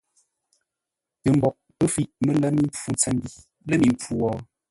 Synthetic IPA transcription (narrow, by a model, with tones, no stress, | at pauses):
tə˨m̩˦bɔ˨k̚pə˦fi˦˨ʔmə˦˨la˦mi˦m˦p͡fu˦t͡sɛ˨m˦bi˦˨ | lə˦mi˨m˦p͡fu˦˨wɔː˨˦